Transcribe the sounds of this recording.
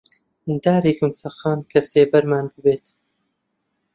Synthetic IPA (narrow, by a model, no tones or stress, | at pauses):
d̪aːɾiːkɨnt͡sʰɐxaːnkʰɐseːbɐɾmaːnbɨbeːt̪